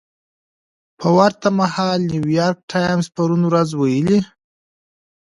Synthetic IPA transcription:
pʰəwaɾt̪amahɑlnuwjɑɾk̚ʈʰɑjmzpaɾunwɾazwajəli

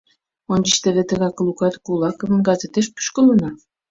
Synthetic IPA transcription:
onʲd͡ʑiʃt̪ĕβet̪ə̆ɣɑklˠukɑt̪kulˠɑkŏvə̆nɡɑzet̪eʃpu̥ʃkɤ̆lɤnɑ

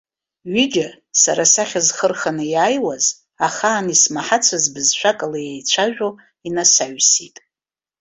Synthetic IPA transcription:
ɥid͡ʒa | sa̰ɾasaχʲazχərχanɨjaːjwaz | aχaːnismaħat͡sʷʰazbɨzʃʷʰakʼalajejt͡ɕʷʰaʒᶣo | inasaɥsitʼ

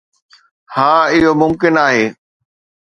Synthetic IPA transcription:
hãːɪɦomʊmkɪnaːɦeː

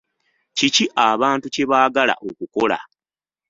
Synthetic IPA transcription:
ciciʔaβaːntuce̞βaːɡala̰ʔokuko̞la̰

